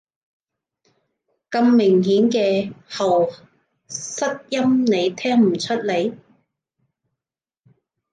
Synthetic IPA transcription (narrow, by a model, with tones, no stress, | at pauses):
kɐ˧mːɪ˨˩ŋɦiː˨˥nkɛː˧hɐ˨˩w | sɐ˥k̚jɐ˥mne˨˧jt̪ʰɛː˥ŋm̩˨˩t͡ʃʰɵ˥t̚le˨˧j